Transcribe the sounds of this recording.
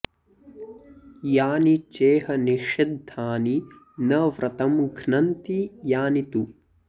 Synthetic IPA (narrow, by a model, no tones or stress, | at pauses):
jaːnit͡ʃeːɦɐniʃid̪ʱaːni | nɐʋɾʔɐt̪ɐmɡʱnɐnt̪ijaːnit̪u